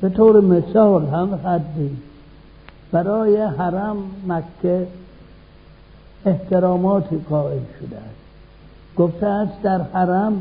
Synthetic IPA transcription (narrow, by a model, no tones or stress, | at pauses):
b̥et̪ʰoːɾemesɒːlɦæmhæd̪ːiː | b̥æɾɒːjeɦæɾæmːækʰːe | eht̪ʰeɾɒːmɒːt̪ʰiːqɒːʔelʃod̪eæ̰st̪ | ɡ̥oft̪eæst̪d̪æɾhæɾæm